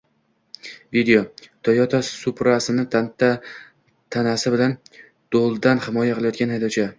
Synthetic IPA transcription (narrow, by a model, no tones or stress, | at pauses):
vid̪ejot̪ʰɒjɒt̪ʰasʊpɾasɪnɪ | t̪ʰanasɪbɪlan | d̪̥olˠd̪anhɪmɒjaqʰɨlˠajɒt̪ɡʲanhajd̪ɒt͡ʃʰa